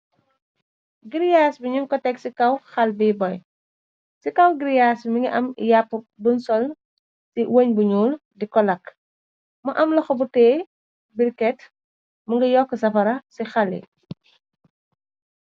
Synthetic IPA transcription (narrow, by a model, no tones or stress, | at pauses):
ɡiɾijaːsbiɲuŋkɔtɛksikɐwxɐlbibɔj | sikɐwɡiɾjaːsmiŋiʔɐmjapː | bunsɔl | siwəɲbuɲuːldikɔlɐk | mɐʔɐmlɐxɔbutɛː | birkɛt | mɐŋɡɐjɔkːəsɐfɐɾɐsixɐlḭ